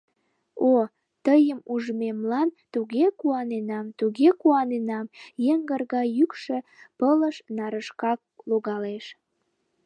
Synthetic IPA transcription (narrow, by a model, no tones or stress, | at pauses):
o | t̪əjəmuʒmemlɑnt̪uɣekuɑnenɑmt̪uɣekuɑnenɑmjeŋɡərɣɑjykʃepələʃnɑɾəʃkɑk̚loɣɑleʃ